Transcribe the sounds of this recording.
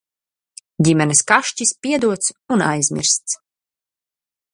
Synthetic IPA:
ɟʲimʲɛnɨskaʃt͡ʃispʲiɛd̪uɔt̪suna̰jzmʲḭɾst̪s

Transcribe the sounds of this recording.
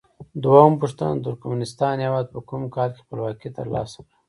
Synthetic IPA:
d̪waumpuʂt̪a̰nt̪ʊɾkmnɪst̪ɑːnjewɑːd̪̚pəkumkɑːlke̥pəlwɑkit̪ə̰ɾlɑ̰sḁkɽə

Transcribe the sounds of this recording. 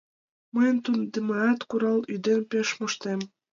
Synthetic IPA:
məjənt̪und̪emɑɑt̪kuɾɑlyd̪enpeʃmoʃt̪em

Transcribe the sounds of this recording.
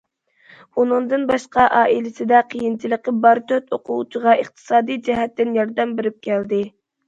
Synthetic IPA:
unɨŋd̪ɨnbɑʃqɑʔɑːʔilɪsɪd̪ɛqʰijint͡ʃʰiləqəbɑɾt̪ʰøt̪oqʊwut͡ʃʰiʁɑʔeχt̪ʰɨ̥sɑːd̪ijd͡ʒɛɦɛt̪ːɪnjɑɾd̪ɛmbeɾɪp̚kʲʰɛld̪ɪ

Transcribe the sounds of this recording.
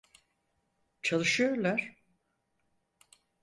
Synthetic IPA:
t͡ʃʰalˠɯʃɯjoɾlˠaɾ̥

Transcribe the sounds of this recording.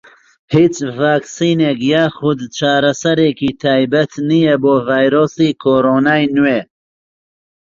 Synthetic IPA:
hiːt͡ʃvaːksiːnekjaːxʊd̪t͡ʃaːɾɐsɐɾeːkiːt̪ʰaːjbɐt̪nijɛboːvaːjɾoːsiːkʰoːɾoːnaːjnweː

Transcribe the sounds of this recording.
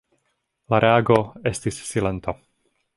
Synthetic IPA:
laɾʔeaɡoe̞stisːile̞nt̪o

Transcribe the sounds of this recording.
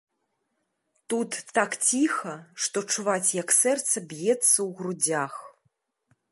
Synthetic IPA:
t̪ut̪ːakt͡sʲixɐʂt̪ɔt͡ʂːuvat͡sʲjɐksɛrt̪sɐbʲjɛt̪sːɐwɣɾud͡zʲax

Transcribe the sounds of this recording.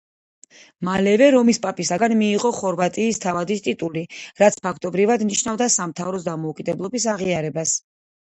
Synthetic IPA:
malɛvɛɾɔmispʼapʼisaɡanmiːʁɔχɔɾvat̪ʼiːst̪ʰavad̪ist̪ʼit̪ʼuliɾat̪sʰpʰakʰt̪ʼɔbɾivad̪niʃnavd̪asamt̪ʰavɾɔsd̪amɔukʼid̪ɛblˠɔbisaʁiaɾɛbas

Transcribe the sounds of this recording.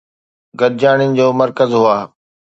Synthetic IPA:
ɡʱɐɗd͡ʑaːɽ̃ɪnɪ̆d͡ʑoːmɐɾkəzɦʊaː

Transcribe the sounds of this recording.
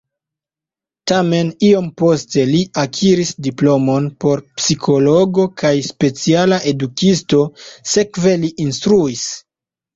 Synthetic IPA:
tame̞nio̞mpo̞ste̞liakʰiɾisdiplo̞mo̞npo̞ɾpsikʰo̞lo̞ɡo̞kʰajspe̞t͡sialaʔe̞dukisto̞se̞kve̞liʔinstɾuis

